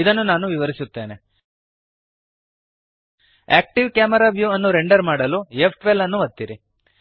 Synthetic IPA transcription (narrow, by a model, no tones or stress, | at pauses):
id̪ɐnːunaːnuʋiʋɐɾisut̪ːe̞ːne̞ | æ̰ːk̚ʈiʋkjaːmɐɾaːʋjuːɐnːuɾeɳɖɐɾmaːɽɐlujepʰʈʋelɐnːuʋɐt̪ːiɾḭ